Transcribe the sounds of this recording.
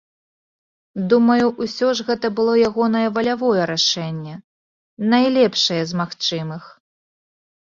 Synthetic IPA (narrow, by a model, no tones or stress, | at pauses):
d̪umɐjuʔwsʲɔʐɣɛt̪ɐbɨlˠɔjaɣɔnɐjɐvɐlʲavɔjɛɾaʂɛnʲːɛ | najlʲɛpʂɐjɐzmaxt͡ʂɨmɨx